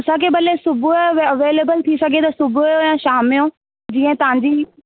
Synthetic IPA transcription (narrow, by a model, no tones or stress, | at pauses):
ʊsãkʰeɓɐlesʊbʱʊɐʋeːleːbəlt̪ʰisɐɡʱet̪ɐsʊbʱʊjojãʃaːmɪjõ | d͡ʑĩːə̃t̪ɐʋ̤ãɲd͡ʑiː